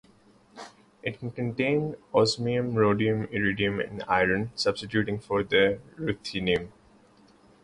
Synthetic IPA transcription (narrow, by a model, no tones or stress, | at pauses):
ʔɪʈ̚kə̃ɳʈẽːnɔsmiə̃mɹoːɖiə̃mɪɹiɖiə̃mɪ̰̃naɪɾə̃nsʌb̥sɪʈjuːʈɪ̃ŋfɔɾd̪əɹut̪ʰiniə̃m